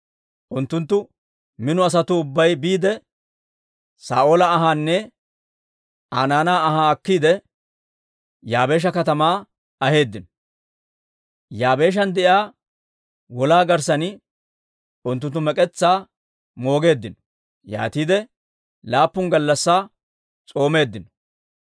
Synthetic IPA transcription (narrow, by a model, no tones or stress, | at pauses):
ʔʊnt̪ːʊnt̪ːʊ | mɪnʊɐs̬ɐt̪ʊːbːɐjbiːd̪ɛ | saːo̞ːlɐːɦaːnːɛ | aːnaːnaːɐhaːɐkːiːd̪ɛ | jaːbe̞ːʃ̬ɐkɐt̪ɐmaː | ɐhe̞ːd̪ːɪnɔ | jaːbe̞ːʃ̬ɐnd̪ɛʔjaː | wɔlaːɡɐɾsɐn | ʊnt̪ːʊnt̪ːʊmɛkʼɛt͡sːaː | mo̞ːɡe̞ːd̪ːɪnɔ̥ | ja̰ːt̪iːd̪ɛ | laːpːʊŋɡɐlːɐsːaː | t͡sʼo̞ːme̞ːd̪ːɪnɔ̥